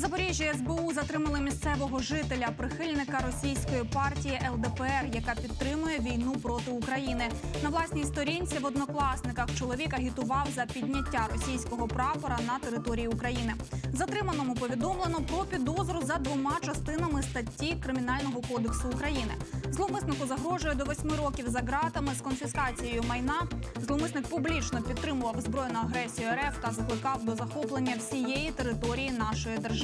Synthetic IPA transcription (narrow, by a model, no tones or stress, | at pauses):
zɐpɔɾʲɛʒʲjiɛzbɛuzɐt̪ɾɪmɐlˠɪmʲist̪sɛʋɔɦɔʒɪt̪elʲɐpɾɪxɪlʲnɪkɐɾɔsʲijsʲkɔjipɑrtʲijiʔɛlˠd̪ɛpɛɛrjɐkɑpʲit̪ːɾɪmʊjɛʋʲijnupɾɔt̪ɪukɾɐjinɪnɐʋlˠɑsʲnʲijst̪ɔɾʲinʲt͡sʲiʋɔd̪nɔklˠɑsnɪkɐxt͡ʃɔlˠɔʋʲikɐɦʲit̪ʊʋɑwzɐpʲidʲnʲɐtʲːaɾɔsʲijsʲkɔɦɔpɾɑpɔɾɐnɐt̪eɾɪt̪ɔɾʲijiukɾɐjinɪzɐt̪ɾɪmɐnɔmʊpɔʋʲid̪ɔmlˠenɔpɾɔpʲid̪ɔzɾʊzɐd̪ʋɔmɑt͡ʃɐst̪ɪnɐmɪst̪ɐtʲːikɾɪmʲin̪ɑlʲnɔɦɔkɔd̪eksʊːkɾɐjinɪ̰zlˠɔmɪsnɪkʊzɐɦɾɔʒʊjɛd̪ɔʋɔsʲmɪɾɔkʲiwzɐɦɾɑt̪ɐmɪskɔnfʲiskɑt͡sʲijejʊmɐjnɑzlˠɔmɪsnɪk̚pʊblʲit͡ʃnɔpʲid̪t̪ːɾɪmʊʋɐwzbɾɔjnʊjɐɦɾɛsʲijʊɛɾɛft̪ɐzɐklˠɪkɑwd̪ɔzɐxɔplˠenʲːɐwsʲijɛjit̪e̞ɾɪt̪ɔɾʲijin̪ɑʃɔjid̪erʒ